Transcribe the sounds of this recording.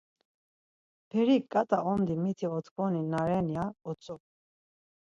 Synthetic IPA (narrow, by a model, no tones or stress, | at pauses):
pʰɛɾikʼːat̪ʼaʔɔmd̪imit̪ʰiɔt̪ʰɡɔninaɾɛniaɔt͡sʼɔ